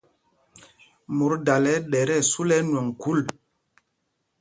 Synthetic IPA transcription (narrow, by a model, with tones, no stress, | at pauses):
mu˨ɾda˨lɛ˨˦ɗɛ˨ɾɛ˦˨su˦lɛ˦nwɔ˨ŋku˨˦l